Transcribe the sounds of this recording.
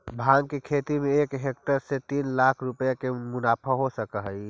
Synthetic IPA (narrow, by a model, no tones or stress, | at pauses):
bʱãŋɡkekʰet̪imeekɦek̚ʈəɾset̪inlakʰɾupjakemʊnapʰaɦosəkəɦəj